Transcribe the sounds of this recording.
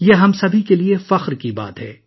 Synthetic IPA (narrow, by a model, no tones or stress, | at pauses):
jeːɦɐmsɐbʱikeliefɐxɾkiba̰ːt̪ɦɛː